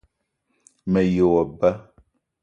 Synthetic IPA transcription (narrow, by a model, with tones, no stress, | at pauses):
mɛ˨je˨wɔ˨ba˦